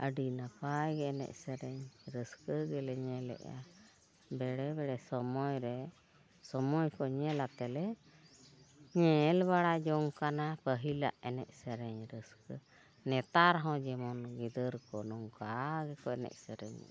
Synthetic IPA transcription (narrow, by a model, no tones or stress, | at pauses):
ʔəɖinapajɡɛɛnɛ̰ʔ̚sɛɾɛɲɾəskəɡɛlɛɲɛlɛ̰ʔa̰ | bɛɽɛbɛɽɛsɔmɔjɾɛ | sɔmɔjkɔɲɛlat̪ɛlɛ | ɲɛlbaɽad͡ʒɔŋkanapəɦila̰ʔɛnɛ̰ʔ̚sɛɾɛɲɾəskə | nɛt̪aɾɦɔ̃d͡ʒɛmɔnɡɛd̪əɾkɔnɔŋkaɡɛkɔɛnɛ̰ʔ̚səɾɛ̰ɲ̰